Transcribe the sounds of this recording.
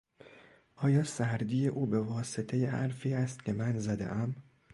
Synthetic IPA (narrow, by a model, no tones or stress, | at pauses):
ʔɒːjɒːsæɾd̪iːje̞ʔuːbe̞vɒːse̞t̪ʰejehæ̰ɾfiːæst̪̚cʰe̞mænzæd̪e̞̰ʔæm